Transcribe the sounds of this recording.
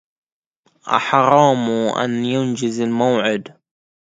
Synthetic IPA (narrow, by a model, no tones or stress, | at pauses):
ʔa̰ħɾˤɑːmuʔa̰njʊnd͡ʒɪzɪlmawʕɪd̪